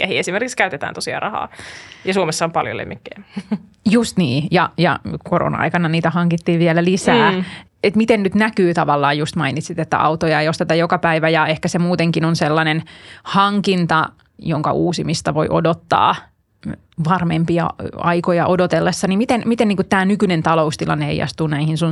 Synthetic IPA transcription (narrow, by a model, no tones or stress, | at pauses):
kæhiesimerkikskæyt̪et̪æ̰ːnosiɑ̰rɑhɑ̰ːjɑsuomesːɑompɑljo̰lḛmːikːejjust̪niːjɑjɑ̰koro̰nɑ̰ɑ̰ikɑnɑniːt̪æhɑŋkit̪ːiːʋʋielælisæː | et̪mit̪ennyt̪nækyːt̪ɑʋɑlːɑːjust̪mɑinit̪sit̪et̪ːæ̰ɑ̰wt̪ojɑeijost̪et̪ɑjokɑpæiʋæjɑehkæsemuːt̪eŋkinonselːɑnenhɑŋkint̪ɑ | joŋkɑ̰ʔuːsimist̪ɑʋo̰iʔo̰dot̪ːɑ̰ː | ʋɑrmempiɑ̰ɑ̰ikojɑʔodot̪elːesːɑnimit̪enmit̪enniŋkut̪t̪æːnykynent̪ɑloust̪ilɑ̰nːeḛijɑ̰st̪unæihinsun